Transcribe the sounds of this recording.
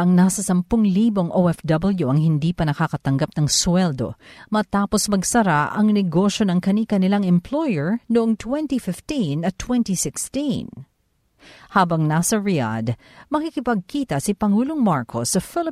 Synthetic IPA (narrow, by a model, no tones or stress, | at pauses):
ʔɐŋnasɐsɐmpʊŋliːbo̞ŋʔowɛfd̪ɐbɐljuʔɐŋhɪnd̪iːpɐnɐkakɐt̪ɐŋɡap̚nɐŋswɛld̪o̞̰mɐt̪aːpo̞smɐɡsɐɾaʔɐŋnɛɡo̞ʃjo̞nɐŋkɐnikɐnɪlaŋɛmplo̞jɛɹnoʔoŋt̪wɛnt̪ifɪft̪inɐt̪ːwɛnt̪isɪkst̪in | haːbɐŋnasɐɹɪa̰d̪ | mɐkikɪpɐɡ̚kiːt̪ɐsipɐŋuːloŋmaɹkʰosːɐfɪlɪ